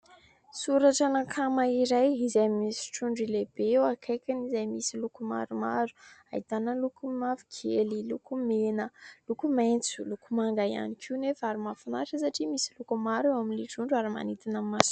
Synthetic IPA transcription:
suɾaʈ͡ʂanakʰamaiɾajizajmisi̥ʈ͡ʂuɳɖ͡ʐileb̥eewakʰajkʲanizajmisilukuma̰ɾuma̰ɾu̥a̰it̪anəlukumafi̥kʰelilukumenəlukumajnt͡sulukumaŋɡaja̰nikʰiunefaɾimafanaʈ͡ʂəsaʈ͡ʂimisilukumaɾewaminliʈ͡ʂuɳɖ͡ʐaɾima̰nit̪inamːas

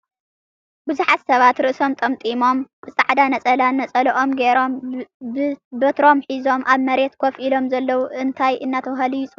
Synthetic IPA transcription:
bɨzuħat̪sɐβat̪ɾɨʔso̞mt̪ʼɐmt̪ʼimo̞mb̥ɨsʼaʕd̪anɐt͡sʼɐlanɐt͡sʼɐlɐʔo̞mɡeɾo̞mɨbɐt̪ɾo̞mħizo̞mʔaβmɐɾet̪kʰofʔilo̞mzɐlːɐwuʔɨnt̪ʰajʔɨnːat̪ʰɐwɦɐlijɪt͡sʼ

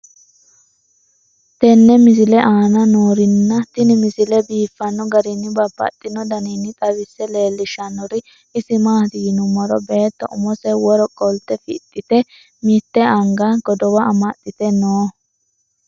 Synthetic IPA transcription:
t̪ɛnːɛmɪsɪlɛʔaːnɐnoːɾɪnːɐt̪ɪnɪmɪsɪlɛbiːfːɐnːɔɡɐɾɪnːɪbɐpːɐ̰t̪ʼːɪnːɔd̪ɐninːɪt̪ʼɐβɪsːɛle̞ːlːɪʃɐnɔɾɪː | sɪmaːt̪ɪɡnʊmɔɾɔbeːt̪ːɔʔʊmɔsɛwɔɾɔkʼːɔlt̪ːɛfɪ̰t̪ʼːɪt̪ɛ | mit̪ːɛɐŋɡɐɡ̥ɔd̪ɔwɐɐmɐt̪ʼːɪt̪ɛnoː

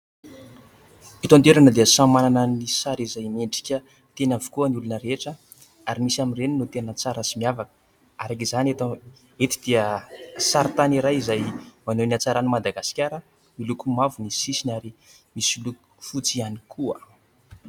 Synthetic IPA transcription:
it̪ont̪eɾanəd̪eəsamananənisaɾizajmeɳɖ͡ʐi̥kʲə | t̪enavu̥kuənulunəɾeʈ͡ʂə | aɾimisaminreninot̪enət͡saɾəsimiavakə̥ | aɾakizanet̪a | et̪i̥d̪̥iəsaɾt̪aniɾajizajmanoniat͡saɾanimad̪aɡasi̥kʲaɾə | milukumavunisisinaɾi | misiluk | fut͡sianikʰuə̰

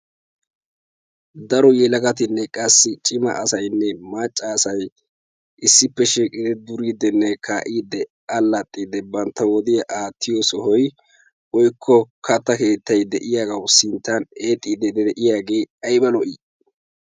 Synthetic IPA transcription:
d̪ɐɾɔjɛlɐɡɐt̪ɪnːɛkʼɐsːɪt͡ʃʼɪmɐ̰ʔɐsɐjnːɛmat͡ʃʼːaːsɐj | ʔɪsːɪpːɛʃiːkʼːɪd̪ɪd̪ʊɾiːd̪ɛnːɛkʰaːʔiːd̪ɛ | ɐlːɐt̪ʼːiːd̪ɛbɐnt̪ːɐwɔd̪ɪjɐʔaːt̪ʰːɪjɔsɔhɔj | wɔjkʰːɔkʰɐt̪ːɐke̞ːt̪ːɐjd̪ɛʔɪjaːɡɐwsɪnt̪ːɐne̞ːt̪ʼːiːd̪ɛd̪ɛd̪ɛʔɪjaːɡe̞ːɐjbɐlɔʔi

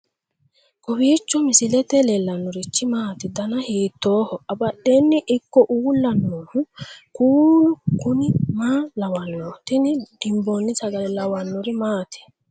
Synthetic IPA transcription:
kɔbiːt͡ʃːɔmɪsɪlɛt̪ɛlɛlːɐnːɔɾɪt͡ʃːɪmaːt̪ɪd̪ɐnɐhiːt̪ːoːhɔɐbɐɗːeːnːɪʔɪkːɔʔuːlːɐnːoːhʊkuːlʊkʊnɪmaːlɐwɐnːot̪ɪnɪd̪̥ɪmbonːɪsɐɡɐlɛlɐwɐnːɔɾɪmaːt̪ɪ̥

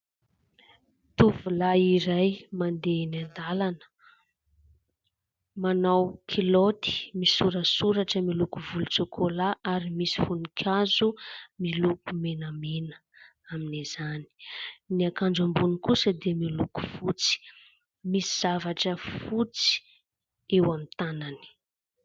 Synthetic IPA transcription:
t̪uvulaiɾajmand̪enand̪alanə̥ | manawkʰilot̪i̥misuɾəsuɾaʈ͡ʂəmilukuvulut͡sokʰolaʔaɾimisi̥funukʲʰazumilukumenəmenə̥ | aminiz̥ani̥niakand͡zambunikusəd̪emiluku̥fut͡si̥ | misiz̥avaʈ͡ʂəfut͡si̥ | ewamint̪anani̥

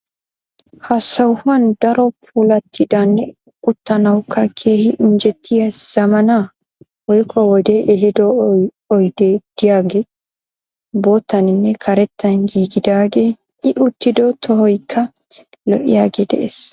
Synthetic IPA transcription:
hɐsːɐwhʊɐnd̪̥ɐɾɔpʰuːlɐt̪ʰːɪd̪ɐnːɛ | ʊt̪ːɐnɐwkʰːɐkʰe̞ːhɪʔʊnd͡ʒɛt̪ʰːɪjɐsz̥ɐmɐna | wɔjkʰːɔwɔd̪eʔɛhɪd̪ɔ | ɔjd̪̥eːd̪̥ɪjaːɡe | bo̞ːt̪ːɐnɪnːɛkʰɐɾɛt̪ːɐnɡiːɡɪd̪aːɡeː | ɪʔʊt̪ːɪd̪ɔt̪ʰɔhɔjkʰːɐ | lɔʔɪ̰jaːɡeːd̪ɛ̰ʔes

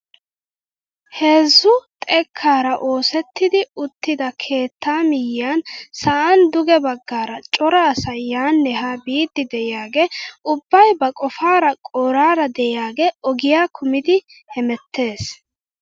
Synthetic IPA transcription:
he̞ːzːʊt̪ʼɛkʰːaːɾɐʔo̞ːsɛt̪ːɪd̪ɪʊt̪ːɪd̪ɐkʰe̞ːt̪ʰːaːmɪjɪjaːnsɐʔɐnd̪ʊɡɛbɐɡːaːɾɐt͡ʃʼɔɾɐːsɐjːaːnːɛɦaːbiːd̪ːɪd̪ɛʔɪjaːɡeʊbːɐjbɐkʼɔfaːɾɐkʼoːɾaːɾɐd̪ɛɪjaːɡeɔɡɪjaːkʰʊmɪd̪ɪ | hɛmɛt̪ʰːe̞ːs

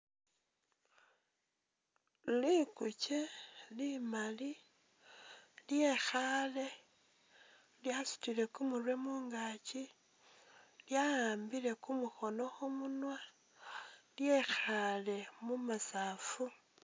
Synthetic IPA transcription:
likut͡ʃelimali | ljexale̞ | ljasu̥tile̞kumurwe̞muːŋɡat͡ʃi | ljajaːmbile̞kumuxo̞no̞xumunwa | lje̞xale̞mumasaːfu

